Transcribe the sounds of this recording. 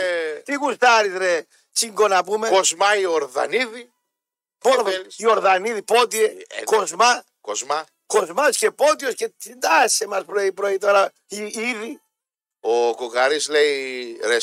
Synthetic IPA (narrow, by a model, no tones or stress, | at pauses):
t̪iɣust̪ɐɾizɾe | t͡ʃiŋɡonɐpumeozmɐioɾðɐ̰niði | poɾðio̞ɾðɐniðipot̪iekozmɐ | kozmɐ | kozmɐsce̞po̞t̪ioscet̪ind̪ɐsːemɐspɾoipɾoit̪o̞ɾɐ | iiði | okokɐɾisleiɾe